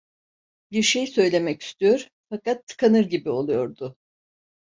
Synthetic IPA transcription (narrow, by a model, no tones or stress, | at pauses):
biɾʃe̞jsø̞jlʲe̞mɛci̥st̪ʰyjo̞ɾ | fakat̪ʰːɯ̥kʰanɯɾɟibio̞lˠujo̞ɾd̪ʊ